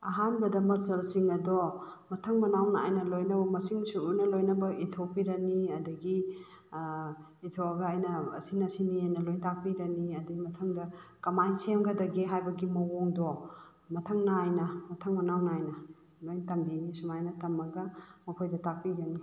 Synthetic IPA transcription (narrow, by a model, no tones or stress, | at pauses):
ɐɦanbɐdɐmɐsɐlsiŋɐdɔ | mɐtʰɐŋmɐnawnaa̰jnɐlojnɐbɐmɐsiŋsuʔunɐlojnɐbɐitʰopiɾɐniɐdɐɡi | itʰoɐɡaːjnɐ̰ːsinɐsiniajnɐlojntak̚piɾɐniɐdiɡimɐtʰɐŋdɐkɐmajnsemɡɐdɐɡiɦajbɐɡimɐwoŋdɔ | mɐtʰɐŋnaajnɐmɐtʰɐŋmɐnawnaajnɐ | lojntɐmbinisumajnɐtɐmɐɡɐmɐkʰojdɐtak̚piɾɐni